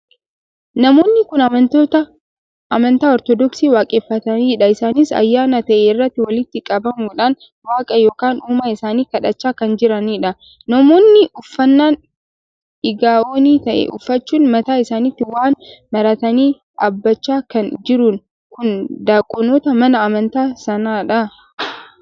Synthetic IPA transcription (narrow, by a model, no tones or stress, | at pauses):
nɐmo̞ːnːɪkʊnɐɐt̪ot̪ɐ | ɐmɐnt̪aːɔɾt̪ɔd̪ɔksiːwaːkʼeːfːɐt̪ɐniːᶑɐɪsaːnisɐ̰jːaːnɐt̪ɐʔeːɪrːɐt̪ːɪwɐlɪt̪ːɪkʼɐbɐmuːᶑaːn | waːkʼɐjo̞ːkaːnuːmaːɪsaːniːkɐᶑɐt͡ʃːaːkɐnd͡ʒɪɾɐniːᶑɐ | nɐmoːnːɪʔʊfːɐnːaːn | ʔɪɡaːʔoːniːt̪ɐʔɛ̰ʔʊfːɐt͡ʃːuːnmɐt̪aːɪsaːnɪt̪ːɪwaːnmɐɾɐt̪ɐniː | ᶑaːbːɐt͡ʃːaːkɐnd͡ʒɪɾʊn | kʊnd̪aːkʼʊnoːt̪ɐmɐnɐːmɐnt̪aːsɐnaːᶑɐ